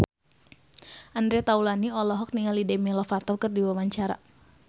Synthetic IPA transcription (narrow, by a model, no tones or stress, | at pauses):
ʔandɾɛt̪aulaniɔlɔɦɔk̚niŋalidɛmilɔfat̪ɔlkɨrdiwawaɲt͡ʃaɾa̰